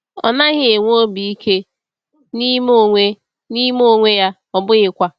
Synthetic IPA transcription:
ɔ̰˨na˦ɣɪ˨e˨ŋʷ˦o˦bi˨i˦kʰe˦ | ni˦mo˦˨ŋʷe˦ | ni˦mo˦˨ŋʷe˦ja˦ | ɔ˨bʊ˦ɣɪ˦kʷa˦

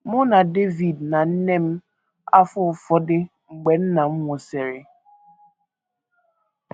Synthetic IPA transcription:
mʊ˦na˨de˦vi˨dna˨n̩˦ne˦m̩˦ | a̰˦fʊ˦˨fɔ˦dɪ˦ | ŋ͡m̩˨ɡ͡be˨n̩˦na˨ŋ͡m̩˦ŋʷo˨se˨ɾɪ˨

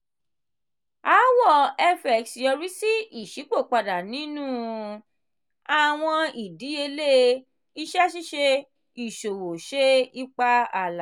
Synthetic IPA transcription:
a˨˦wɔ˦˨ɛ˧fɛ˨ksjɔ˧ɾi˦si˦i˦˨ʃi˨˦k͡po˦˨k͡pa˧da˨nĩ˨˦nũ˦ | a˨w̃ɔ̃˧i˨di˨˦e˧le˦ | i˦ʃɛ˦ʃi˦ʃe˧ | i˨ʃo˨wo˨ʃe˦i˦k͡pa˧a˦˨la˨

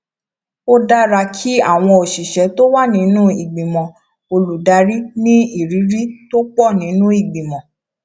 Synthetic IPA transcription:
o˦da˦ɾa˧kʰi˦a˦˨w̃ɔ̃˧o˨ʃi˨ʃɛ˨˦to˦wa˦nĩ˨˦nũ˦i˨ɡ͡bĩ˨mɔ̃˨ | o˧lu˨da˨˦ɾi˦nĩ˦i˦˨ɾi˨˦ɾi˦to˦k͡pɔ˦˨nĩ˨˦nũ˦i˨ɡ͡bĩ˨mɔ̃˨

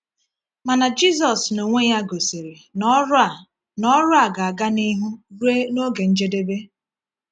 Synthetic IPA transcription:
ma˨na˨d͡ʒi˦s̬ɔ˨sno˨ŋʷe˦ja˦ɡo˨se˨ɾe˨ | nɔ˦ɾʊ˦a˨ɡa˨a˨ɡa˦ni˦ɦu˦ɾu˦e˦no˦ɡe˨n̩˦d͡ʒe˦de˦be˦

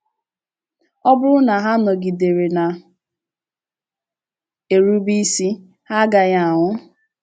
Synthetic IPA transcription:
ɔ˦bʊ˦ɾʊ˦na˨ɦa˦nɔ˨ɡi˨de˨ɾe˨na˨ | e˨ɾu˦bi˦si˦ | ha˦ɡa˨ɲa˦˨a˨ŋʷʊ˦

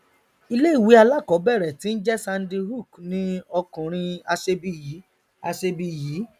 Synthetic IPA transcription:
i˧le˦i˦˨wi˨˦a˧la˦˨kɔ˨˦bɛ˦˨ɾɛ˨tĩ˨˦n̩˦d͡ʒɛ˦sã˧n˦di˧ɦu˦˨knĩ˦ɔ˧kũ˨ɾ̃ĩ˧a˧ʃe˧bi˧ji˨˦ | a˧ʃe˧bi˧˨ji˨˦

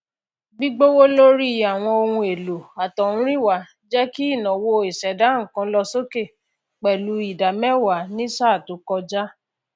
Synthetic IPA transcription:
bi˦ɡ͡bo˦wo˦lo˦ɾi˦a˨w̃ɔ̃˧o˧ŋũ˧e˨lo˨a˨tɔ˨ũ˦ɾĩ˦wa˨˦ | d͡ʒɛ˦ki˦i˦˨nã˨wo˧i˨sɛ˨da˨˦ŋ̩˨kã˧˦lɔ˧so˦ke˦˨ | k͡pɛ˨lu˨˧˦i˨da˨mɛ˦wa˨˦nĩ˦sa˦˨to˨˦kɔ˧d͡ʒa˦

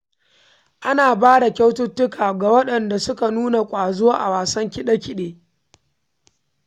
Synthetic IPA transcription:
ʔa˦naː˨baː˦da˨kʲa˦wtʊ˦tːʊ˦kaː˨ɡa˨wɐ˦ɗɐ˨nda˨sʊ˦ka˨nuː˦na˨kʷʼaː˨zo˦ʔa̰˨waː˨sɐ˦ŋkʲɪ˦ɗɐ˦kʲɪ˦ɗeː˨

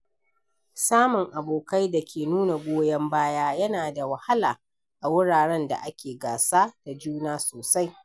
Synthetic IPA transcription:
saː˦mʊ˨ŋʔa˨boː˨ka˦jda˨kʲeː˨nuː˦na˨ɡʷoː˦jɐ˦mbaː˦jaː˦jɐ˦naː˨da˨wɐ˨ha˦laː˨ | ʔa˨wʊ˦ɽaː˨ɽɛ˦nda̰˨ʔa˦kʲeː˨ɡaː˨saː˦d̥a˨d͡ʒuː˦naː˦soː˨sa˦j

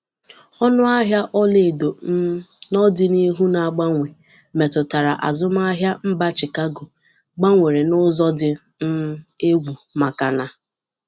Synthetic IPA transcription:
ɔ˦nʊ˦a˦ɦja˦ʔɔ˦le˨do˨˦nɔ˦dɪ˦ni˦ɦu˦na˨a˨ɡ͡ba˦ŋʷe˨ | me˨tʊ˨ta˨ɾa̰˨ʔa̰˨zʊ˦m˦a˦ɦja˦m̩˦ba˦t͡ʃɪ˨ka˦ɡʊ˨ | ɡ͡ba˦ŋʷe˨ɾe˨nʊ˦zɔ˦dɪ˦n̩˦e˦ɡʷu˨ma˨ka˨na˨

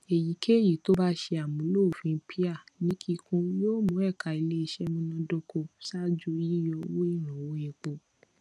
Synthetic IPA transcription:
e˨ji˨˦kʰe˦˨ji˨to˦ba˦ʃe˧a˨mũ˨˦lo˦˨fĩ˧˦pʰi˦a˦˨nĩ˦kʰi˧kũ˦joː˦mũ˨˦ɛ˦˨ka˧i˧le˦i˧ʃɛ˦mũ˦nã˧do˧ko˧sa˦d͡ʒu˦ji˦jɔ˧wo˦i˦˨ɾ̃ũ˨wo˨˦e˧˨k͡po˧

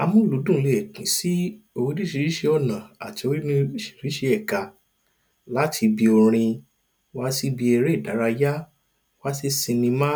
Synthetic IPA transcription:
a˧mũ˦˨lu˨˦dũ˦˨˧le˨ɛ˨kĩ˨˦si˦ | o˧wi˦dĩ˦ʃĩ˧ɾi˦ʃe˧ɔ˦˨nã˨a̰˨ti˨˧o˧wi˦nĩ˧˦ʃi̥˨ɾi˨˦ʃe˧ɛ˨ka˧ | la˦tʰi˧bi˧o˧ɾ̃ĩ˧ | wa˦si˦bi˧ɛ˧ɾe˦˨da˨˦ɾa˧ja˦ | wa˦si˧sĩ˧nĩ˧mã˦

